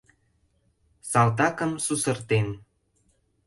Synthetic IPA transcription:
sɑlt̪̬ɑkə̆msusərt̪en

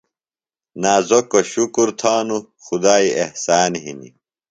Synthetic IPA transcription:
naːzokːoɕukuɾt̪ʰaːnu | xud̪aːiehsaːnɦḭnḭ

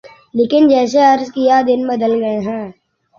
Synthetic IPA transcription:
leːkɪnd͡ʒɛːs̬eɐɾzkijad̪ɪnbɐd̪əlɡɐeɦɛ̃ː

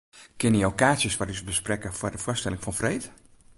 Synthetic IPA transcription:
kɪniowkaːsjəsfarysbəsprɛkəfwɔdəfɔstɛlɪŋfɔnfreːt

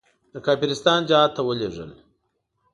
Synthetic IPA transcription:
d̪̥əkɑːfiɾɪst̪ɑːnd͡ʒɑt̪ːawəleʐə̰l

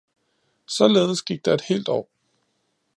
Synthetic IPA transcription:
sɒ̽le̝ːð̞ˠəsɡ̥iɡ̥̚d̥ɑ̈e̝d̥he̝̰ːld̥ɒ̰ː

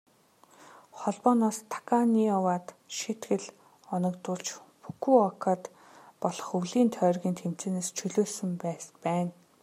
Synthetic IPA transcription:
χɔɮpɔːnaːst̪ʰḁkaniːɔwaːt̪ʃit̪ɡɘ̆ɮ | ɔnɞ̆kt̪ʊːɮt͡ɕpu̥kuɔkʰat̪ | pɔɮ̥ɞ̥̆χɵwɮiːnt̪ʰœːrɣʲiːnt̪ʰem̥t͡sɘ̆neːst͡ɕʰɵɮoːɮsɵ̆mpæːspæːn

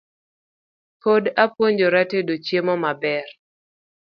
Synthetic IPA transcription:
podapwoɲd͡ʒoɾatedot͡ʃjemɔmabɛr

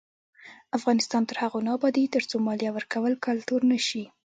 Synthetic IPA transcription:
afɣɑnɪst̪ɑnt̪əɾhaɣonɑbɑd̪it̪əɾt͡somɑljawəɾkawəlkalt̪uɾnəʃi

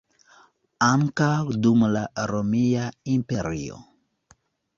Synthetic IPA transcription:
aŋkawdumlaɾomiaimpe̞ɾḭo̰

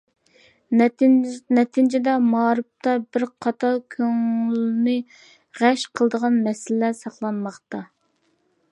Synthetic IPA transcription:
nɛt̪ʰɪnd͡ʒɛd̪ɛmɑːɾɨp̚t̪ɑbɪɾqʰɑt̪ʰɑlkʲʰøŋylnɨ | ʁæʃqʰəlˠd̪əʁɑnmɛsɪllæsɑχlˠɑnmɑχt̪ɑ

